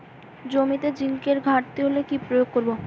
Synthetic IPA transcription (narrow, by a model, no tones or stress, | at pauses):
d͡ʑomit̪ed͡ʑiŋkeɾɡʱaʈ̚t̪iɦolekipɾojoɡ̚koɾbo